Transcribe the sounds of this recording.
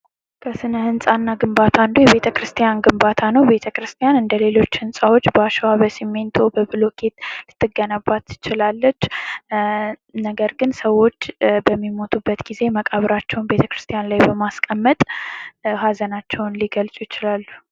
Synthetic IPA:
kʰəsɨnəhɨnsʼanːaɡɨmbat̪ʰand̪ujɛβe̞t̪ʰəkɾɨst̪ʰijanɡɨmbat̪ʰanəwbe̞t̪ʰəkɾɨst̪ʰijanɨnd̪əle̞lo̞t͡ʃːhɨnsʼawo̞t͡ʃːbəaʃɛwaβəsimːe̞nt̪ʰo̞bəbɨlo̞kʰe̞t̪lɨt̪ːɨɡːənabːat̪ːɨ̥t͡ʃɪlalːət͡ʃː | nəɡəɾɡɨnsəwo̞t͡ʃːbəmːimo̞t̪ʰubːət̪ɡ̥ize̞məkʼaβɾat͡ʃːɛwnbe̞t̪ʰəkɾɨst̪ʰʼijanlajbəmaskʼəmːət̪ʼ | hazənat͡ʃːɛwnliɡəlsʼujɪt͡ʃɪlalːu

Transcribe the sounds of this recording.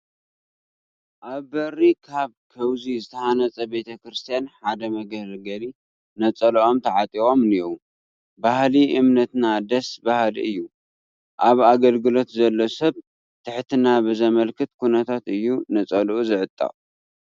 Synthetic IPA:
ʔaβbɐrikʰaβkʰɐwzizɨt̪ʰɐhanɐt͡sʼɐbe̞t̪ʰɐkɾɨst̪ʰijanħad̪ɐmɐɡɐlɡɐli | nɐt͡sʼɐlʔo̞mt̪ʰɐʕat̪ʼio̞mniwu | bahliʔɨmnɐt̪nad̪ɐsbahalḭʔɨjːu | ʔaβaɡɐlɡɨlo̞t̪zɐlːosɐβ | t̪ʰɨħt̪ʰɨnabɨzɐmɐlkʰɨt̪kʰunɐt̪ʰat̪ɨjːunɐt͡sʼɐlʔuzɨʕɨt̪ʼːɐ̰χʼ

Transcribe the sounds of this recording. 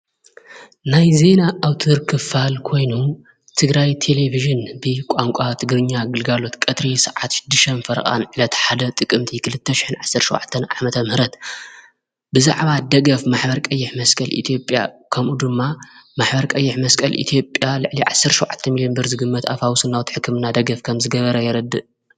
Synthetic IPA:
najze̞naʔːwt̪ʰɨɾkʰɨfalkʰo̞jnu | t̪ʰɨɡɾajt̪ʰe̞le̞viʒɨnbɨkʷʼaŋkʷʼat̪ʰɨɡɾɨɲːaɡɨlɡalo̞t̪kʼɐt̪ɾisɨʕat̪ʃɪ̥d̪ːɨʃɐnfɐɾɐ̰kʼa̰nʕɨlɐt̪ħad̪ɐt̪ʼɨkʼːɨmt̪ʰikʰɨlɨt̪ʰːɐʃɪ̥ħɨnʕasːɐɾʃɔwʕa̰t̪ʰːɐnʔamɐt̪ʰɐmhɨɾɐt̪ | bɨza̰ʕβad̪ɐɡɐfmaħbɐɾkʼɐjːɪħmɐskʼɐlʔḭt̪ʰijo̞pʼja̰kʰɐmʔud̪ɨmːamaħbɐɾkʼɐjːɪħmɐskʼɐlʔḭt̪ʰijo̞pʼjalɨʕliʕasːɐɾʃɔwʕat̪ʰːɐmilijonbɨɾzɨɡɨmːɐt̪ʰaβhawsɨnːawt̪ħɨkʰːɨmɨnad̪ɐɡɐfkʰɐmzɨɡɐβɐɾɐjɛɾɐd̪ːɨʔ

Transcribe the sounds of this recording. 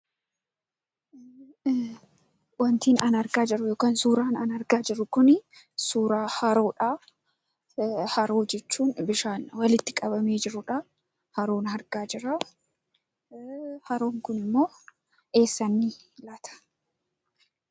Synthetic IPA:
wɐnt̪iːnɐnɐɾɡaːd͡ʒɪɾʊjoːkaːnsuːɾaːnɐnɐɾɡaːd͡ʒɪɾʊkʊnɪ | suːɾaːhɐɾoːᶑaː | hɐɾo̞ːd͡ʒɛt͡ʃːuːnbɪʃaːnwɐlɪt̪ːɪkʼɐbɐme̞ːd͡ʒɪɾʊᶑa | hɐɾoːnɦɐɾɡaːd͡ʒɪɾa | hɐɾoːŋkʊnɪmːo̞ː | e̞ːsːɐnːɪ | lɐt̪ʰɐ̥

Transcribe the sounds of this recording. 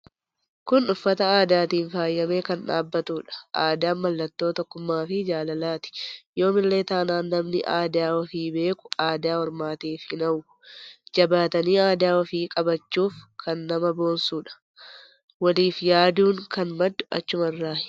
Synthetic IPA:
kʊnʊfːɐt̪ɐaːd̪aːt̪iːnfaːjːɐme̞ːkɐnᶑa̰ːbːɐt̪uːᶑɐ̥ʔaːd̪aːmːɐlːɐt̪ːo̞ːt̪ɔkːʊmːaːfɪd͡ʒaːlɐlaːt̪ɪ̥jo̞ːmɪlle̞ːt̪aːnaːnːɐmnɪʔaːd̪aːwɔfiːbe̞ːkʊ̥aːd̪aːwɔɾmaːt̪iːfhɪnɐʊ | d͡ʒɐbaːt̪ɐniːaːd̪aːɔfiːkʼɐbɐt͡ʃːuːfkʰɐnːɐmɐbo̞ːnsuːᶑɐ̥ | wɐliːfjaːd̪uːŋkɐnmɐd̪ːʊ̥ɐ̰t͡ʃːʊmɐɪrːaːhɪ

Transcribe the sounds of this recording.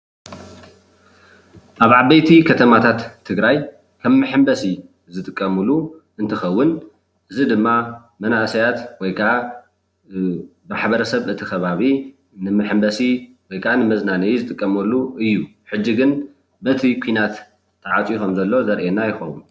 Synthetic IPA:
ʔaβʕabɐjt̪ʰikʰɐt̪ʰɐmat̪ʰat̪ʰːɨɡɾaj | kʰɐβmɨħɨmbɐsi | zɨt̪ʼɨkʼːɐmɨlu | ɨnt̪ʰɐxɐwːʊn | ʔɨzid̪ɨmːa | mɐnasɐjat̪wɔjkʰɐʔa | maħbɐɾɐsɐβʔɨt̪ʰixɐβaβi | nɨmɨħɨmbɐsi | wɔjkʰʔanɨmɐznanɐjzɨt̪ʼɨkʼːɐmɐlːuʔɨjːu | ħɨd͡ʒːiɡɨn | bɐt̪ʰikʷʰinat̪ʰː | ɐʕat͡sʼjukɐmzɐlːo̞zɐɾʔenːajɪxɐwu

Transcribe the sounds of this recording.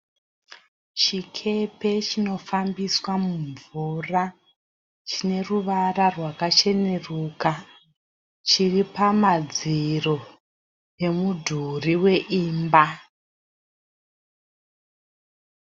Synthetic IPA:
t͡ʃikʰe̞pe̞t͡ʃino̞fambiswamuɱvura | t͡ʃine̞ruʋararwakat͡ʃe̞ne̞ruːka | t͡ʃiripamad͡ziro̞ | pe̞mudʱuriwe̞ʔiːmba

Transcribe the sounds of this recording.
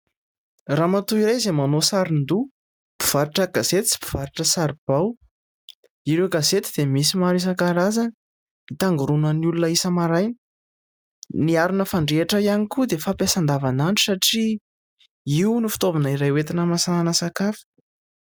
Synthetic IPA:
ramat̪uiɾajzemanosaɾind̪u | b̥u̥v̥aɾiʈ͡ʂəɡazet̪i̥t͡si̥bu̥v̥aɾiʈ͡ʂəsaɾib̥aw | iɾewɡazet̪id̪̥emisimaɾis̬akaɾazan | it̪aŋɡuɾunaniulunəisəmaɾajnə̥ | niaɾunəfaɳɖ͡ʐeʈ͡ʂəijanikud̪efapjasand̪avanaɳʈ͡ʂu̥saʈ͡ʂi | iunifi̥t̪ovinəiɾajwet̪inəmasananəsakafi̥

